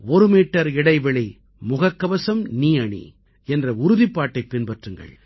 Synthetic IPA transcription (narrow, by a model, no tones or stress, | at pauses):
ɔɾɯmiːʈːɐɾɪɽɐɪʋɛɭɐ | mʊɣɐkːɐʋɐsɐmniːɐɳḭ | ɛndrɐʊɾʊðɪpːaːʈːɐɪpːɪnpɐʈrɯŋɡɐ̰ɭ